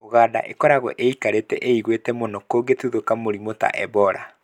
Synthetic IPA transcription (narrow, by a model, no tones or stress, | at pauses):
oɣaːda̰ʔekɔɾaɣɔ̰ʔeikaɾetɛ̰ʔeiɣwetɛmonɔkoɡetuðokamoɾimota̰ʔɛbɔɾa̰